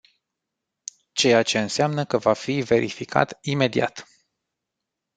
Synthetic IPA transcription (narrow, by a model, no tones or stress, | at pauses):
t͡ʃe̞jat͡ʃe̞ɨnseamnəkəvafive̞ɾʔḭfikʰa̰t̪ime̞d̪ia̰t̪